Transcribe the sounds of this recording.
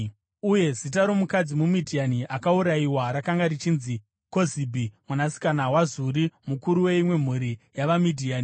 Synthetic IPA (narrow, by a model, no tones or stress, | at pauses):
uje̞zitaɾo̞mukad͡zimumidʱianiʔakauɾaiwaɾakaŋɡarit͡ʃiːnzi | ko̞zibʱimwanasi̥kanawazuɾimukuɾuwe̞imwe̞m̤uɾijaʋamidʱiaːni